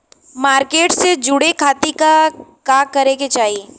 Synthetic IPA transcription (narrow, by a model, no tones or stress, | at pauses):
maːɾkeːʈsed͡ʒʊɽekʰaːt̪ikakaːkɐɾẽket͡ʃaːɦie